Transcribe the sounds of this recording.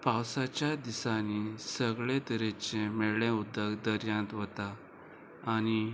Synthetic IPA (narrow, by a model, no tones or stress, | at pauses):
pawsat͡ɕjad̪isanisəɡɭẽt̪əɾet͡ɕẽmeɭɭẽud̪ːəɡd̪əɾjãnt̪ʋət̪aː | ñi